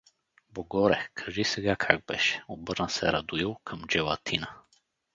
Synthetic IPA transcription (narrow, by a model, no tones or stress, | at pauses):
boɡɔɾɛkʰɐʒisɛɡakʰaɡ̚bɛʃɛ̥obɤɾnəsɛ̰ɾɐd̪uilˠkʰəmd͡ʒɛvɐt̪ʰinə